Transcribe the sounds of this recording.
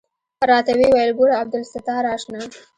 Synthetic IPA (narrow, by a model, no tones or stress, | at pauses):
pɾɑt̪awiwajəlɡʊɽaab̚d̪ʊlsɪt̪ɑɾɑʃnɑ